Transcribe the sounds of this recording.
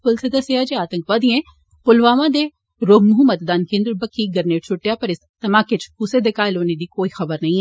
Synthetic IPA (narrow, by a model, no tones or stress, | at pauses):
pʊlsed̪əsɪaːd͡ʒeaːt̪əŋkʋãːd̪iẽː | pʊlʋaːʋãːd̪eː | ɾoːbmʊɦʊmət̪d̪aːnkẽːnd̪ɾbəkʰːiːɡəɾneːʈt͡ʃʰʊʈːjaːpəɾɪst̪əmaːket͡ʃkuseːd̪ɪkaːɪloːneːd̪iːkoːiːxəbəɾnəĩː